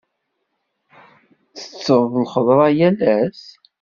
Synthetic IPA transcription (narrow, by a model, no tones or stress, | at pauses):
θə̥t͡sːəʁðəlχəðˤɾˤɑjælæs